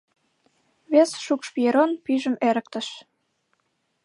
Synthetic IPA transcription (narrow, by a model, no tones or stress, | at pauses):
βesʃukʃpieɾonpyʒəmeɾə̆k̚t̪ə̆ʃ